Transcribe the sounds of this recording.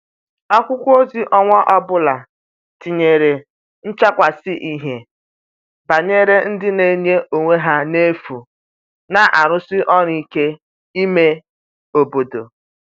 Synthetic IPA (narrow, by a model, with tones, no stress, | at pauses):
a˦kʷʊ˦kʷo˦zi˦ʔɔ˦ŋʷa˦ʔɔ˦bʊ˦la˨ | ti˨ɲe˨ɾe˨ | n̩˦t͡ʃa˦kʷa˨sɪ˦ʔi˦ɦe˨ | ba˨ɲe˦ɾe˦n̩˦dɪ˦ne˨ɲe˦ʔo˨ŋʷe˦ɦa˦ne˦fu˨ | na˨ʔa˨ɾʊ˦sɪ˦ʔɔ˦ɾi˦ke˦ | i˦me˦ | o˨bo˨do̰˨